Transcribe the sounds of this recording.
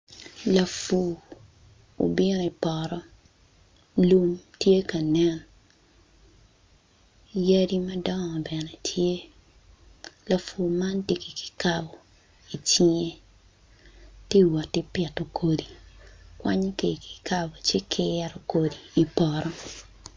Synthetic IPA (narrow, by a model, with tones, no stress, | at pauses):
la˨fu˨ | o̰˨bɪ˦no˨i˨pɔ˨ɾɔ˦ | lu˦mtje˦ka˨nɛ˦n | ja˦di˦mɐ˦dɔ˦ŋɔ˨bɛ˨nɛ˨tʰje˦ | la˨fu˨ma˦nti˨ki˨ki̥˨ka˨bɔ˨ | i˨t͡ʃi˦ɲe˦ | ti˦wa˨tːi˦pɛ˨to˨kʰo˨di˨kwa˦ɲ˦ke˨i˨ki̥˨ka˦bo˨t͡ʃɪ˦kʰɪɛɾo˨ko˨diː˨pɔ˨ɾɔ˦